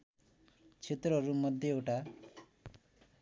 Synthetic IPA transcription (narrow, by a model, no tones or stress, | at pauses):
t͡ʃʰet̪ɾɔɾumʌd̪ʱjʌewʈa